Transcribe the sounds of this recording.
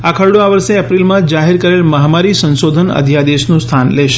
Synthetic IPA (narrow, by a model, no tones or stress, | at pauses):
akʰəɭɽoaʋəɾseəpɾilmãd͡ʒaɦeɾkəɾelməɦamaɾisə̃nsod̪ʱənə̰d̪ʱjad̪eʃnũst̪ʰanleʃ